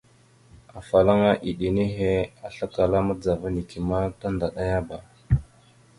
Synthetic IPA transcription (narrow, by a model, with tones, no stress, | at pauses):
a˨fa˨la˦ŋa˦ʔi˨ɗi˨ni˦ɦe˦a˨ɬa˦ka˨la˦ma˦d͡za˨va˦ni˨ki˨ma˦ta˦nda˨ɗa˦ja˦ba˨